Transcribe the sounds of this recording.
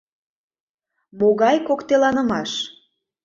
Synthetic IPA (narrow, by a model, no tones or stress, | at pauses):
moɣɑjkokt̪elɑnə̆mɑʃ